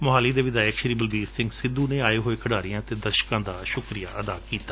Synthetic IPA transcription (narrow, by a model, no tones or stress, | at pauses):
mʊɦaːliːd̪eːʋɪd̪aːjɪkʃəɾiːbəlbiːssɪ̃ŋɡsɪ̃d̪uːnẽːaːeːɦoːeːkʰəɽaːɾɪjãːt̪eːd̪əɾʃkãːd̪aːʃʊkɾija̰ːʔəd̪aːkiːt̪ḁː